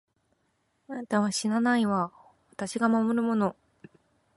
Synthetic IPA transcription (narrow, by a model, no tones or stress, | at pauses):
ant̪aβaɕinanaiβa | βat̪aɕiɡamamo̞ɾɯ̟mo̞no̞